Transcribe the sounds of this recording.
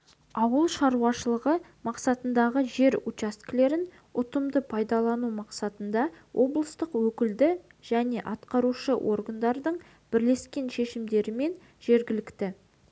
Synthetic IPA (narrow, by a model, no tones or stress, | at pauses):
ɑwəlˠʃɑɾuɑʃəlˠəʁə | mɑqsɑt̪ənd̪ɑʁəʒe̞ɾut͡ʃast̪kʲle̞ɾɪn | ʊt̪əmd̪əpʰɑjd̪ɑlˠɑnumɑqsɑt̪ənd̪ɑwʔo̞blˠəst̪əqwɵkʲɪld̪ɪ | ʒ̥æne̞ʔɑt̪qɑɾuʃəwʔo̞̰ɾɡənd̪ɑɾd̪əɴ | b̥ɪɾle̞skʲe̞nʃe̞ʃɪmd̪e̞ɾɪme̞n | ʒ̥e̞ɾɡʲɪlɪkt̪ɪ